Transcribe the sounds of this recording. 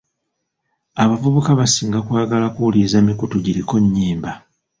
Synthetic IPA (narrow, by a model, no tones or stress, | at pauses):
aβavuβukaβasiːŋɡakwaːɡalakulizamikutuɟiɾiko̞ɲːiːmba